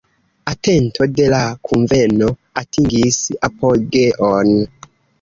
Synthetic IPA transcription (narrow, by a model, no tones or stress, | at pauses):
atentʰode̞lakʰuɱvenoatiŋɡisapolɡeʔon